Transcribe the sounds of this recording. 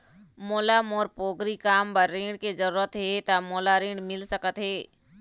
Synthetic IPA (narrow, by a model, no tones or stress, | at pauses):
moːlamoːɾpoːɡɾikaːmpəɾːĩːɽked͡ʒəɾuːɾət̪ɦeːt̪amoːlaɾĩːɳɖmɪlsəkət̪ɦeː